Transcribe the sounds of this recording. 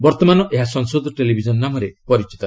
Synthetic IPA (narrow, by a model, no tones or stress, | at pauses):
bɔɾt̪ɔmanɔʔeɦasɔŋsod̪ʱɔʈelibʱid͡ʒɔnɔnamɔɾepɔɾit͡ʃi̥t̪ɔ